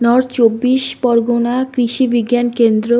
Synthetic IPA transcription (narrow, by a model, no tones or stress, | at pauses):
nɔɾt͡ɕobːiʃpɔɾɡonakɾiʃibiɡjankend̪ɾo